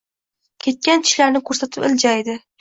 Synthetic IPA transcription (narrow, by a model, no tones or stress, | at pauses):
kʲʰe̞t̪̚kʲankʲʰɪ̥ʃlaɾnɪkʰɵɾsat̪ʰɪpɪld͡ʒajd̪ɪ